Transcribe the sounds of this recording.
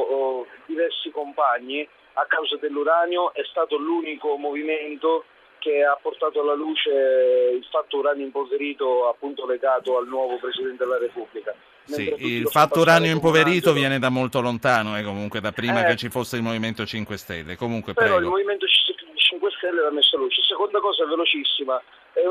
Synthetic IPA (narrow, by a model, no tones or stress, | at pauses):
d̪ivɛrsikompaɲːi | akːawzad̪elːuɾanjoʔɛst̪aːt̪oluːnikomoviment̪o | keapːort̪aːt̪oalːaluːt͡ʃeilfat̪ːouɾanjoimpoveɾiːt̪oapːunt̪oleɡaːt̪oalnwɔːvopɾesid̪ɛnt̪ed̪elaɾepublika | menit̪ɾet̪uiilfat̪ːouɾanjoimpoveɾiːt̪ovjɛːned̪amːolt̪olont̪aːnoɛkːomuŋkwed̪apːɾiːmaket͡ʃːifosːeilmoviment̪ot͡ʃiŋkwest̪ɛ̰lːekomuŋkwepeɾɔilmoviment̪ot͡ʃsit͡ʃiŋkwest̪ɛlːeɛlamesːaluːt͡ʃesekond̪akɔːzaɛvːelot͡ʃisːima | ɛ